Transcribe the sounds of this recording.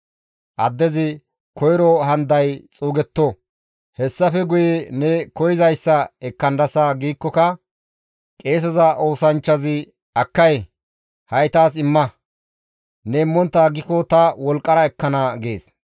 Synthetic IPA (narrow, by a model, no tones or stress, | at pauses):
ʔɐd̪ːɛzɪ | kʰɔjɾɔɦɐnd̪ɐjt͡sʼuːɡɛt̪ːɔ | hɛsːɐfɛɡʊjenɛkɔjɪzɐjsːɐɛkːɐnd̪ɐsaɡiːkːɔkɐ | kʼe̞ːs̬ɛzɐʔo̞ːsɐnt͡ʃːɐzɪ | ɐkːɐj | hɐjt̪aːs̬ɪmːɐ | nɛɪmːɔnt̪ːaːɡɪkɔt̪ɐwɔlkʼːɐɾɐɛkːɐnɐɡe̞̰ːs